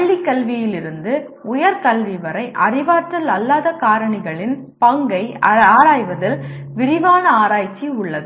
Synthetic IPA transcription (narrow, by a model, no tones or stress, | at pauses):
ɭːikːɐlʋɪjɪlɪɾɯnd̪ɯ | ʊjɐɾkɐlʋiʋɐɾɐɪʔɐrɪʋaːʈrɐlɐlːaːðɐkaːɾɐɳɪɣɐɭɪn | pɐŋɡɐɪaːɾaːjʋɐðɪlʋɪɾɪʋaːnɐaːɾaːjt͡ʃːiʊɭːɐðɯ